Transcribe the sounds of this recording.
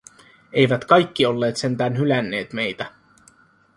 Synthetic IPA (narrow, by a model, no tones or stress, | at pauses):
e̞jʋæt̪kɑjkːio̞lːe̞ːt̪se̞nt̪æːnɦylænːe̞ːt̪me̞jt̪æ